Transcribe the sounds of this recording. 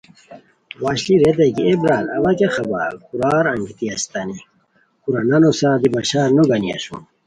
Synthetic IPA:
waːɕliɾed̪eɡiebɾaːlɐ̰wɐkexɐba̰kuɾaːɾɐŋɡit̪iɐst̪ani | kuɾananosad̪ibaɕaːɾnoɡɐnia̰ɕṵn

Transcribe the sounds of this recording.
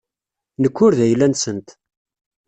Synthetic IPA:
nəkːʊɾðæjlːænsənt̪

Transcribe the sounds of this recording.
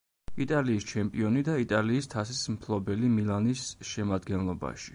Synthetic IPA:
it̪ʼaliːst͡ʃʰɛmpʼiɔnid̪ait̪ʼaliːst̪ʰasismpʰlˠɔbɛlimilˠanisʃɛmad̪ɡɛnlˠɔba̰ʃi̥

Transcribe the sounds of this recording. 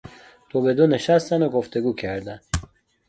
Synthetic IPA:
t̪ʰobed̪uneʃast̪anoɡoft̪eɡukʰeɾd̪an

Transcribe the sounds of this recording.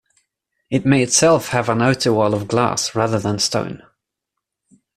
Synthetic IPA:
ɪt̚meɪɪtsɛlˠfhəvə̃nəʊtəwɔlˠəvɡlɑ̰ˑsɹɑːðəðə̃nstə̰̃ʊ̃n

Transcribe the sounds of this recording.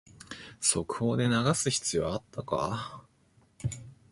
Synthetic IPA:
so̞kɯ̟̥ho̞ːd̪e̞naɡasɨçi̥t͡sɨjo̞at̪ːaka̰

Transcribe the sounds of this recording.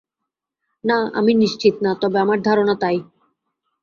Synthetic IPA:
naa̰miniʃt͡ɕit̪nat̪ɔbeamaɾd̪ʱaɾonat̪aj

